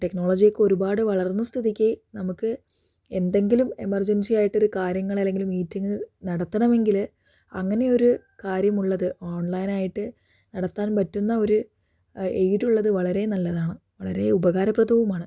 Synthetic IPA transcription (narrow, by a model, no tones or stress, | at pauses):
ʈe̞kno̞ːɭod͡ʑijɐkːɨo̞ɾubaːɽɨʋɐɭɐrnːɐst̪ʰiðikʲːɐinɐmukːɨ | e̞nd̪e̞ŋɡilume̞mɐrd͡ʑensijaːjiʈːo̞ɾukaːɾjɐŋːɐɭɐlːe̞ŋɡilumiːtːiŋɡɨnɐɽɐt̪ːɐɳɐme̞ŋɡil | ɐŋːɐne̞o̞ɾu | kaːɾjɐmuɭːɐðɨʔoːɳlɐjnaːjiʈːɨ | nɐɽɐt̪ːaːnpɐtːunːɐo̞ɾu | ejɾuɭːɐðɨʋɐɭɐɾe̞nɐlːɐðaːɳɨ | ʋɐɭɐɾe̞ubɐɣaːɾɐprɐd̪ʱɐʋumaːɳɨ